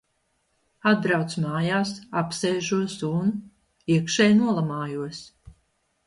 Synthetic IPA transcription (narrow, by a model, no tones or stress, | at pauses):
ad̪̚bɾawt̪smaːjaːsapseːʒuɔsun | iɛkʃɛjnuɔlˠamaːjuɔs